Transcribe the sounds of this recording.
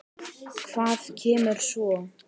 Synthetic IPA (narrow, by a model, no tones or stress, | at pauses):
kʰv̥aːðcʰɛːmʏɾ̥svɔ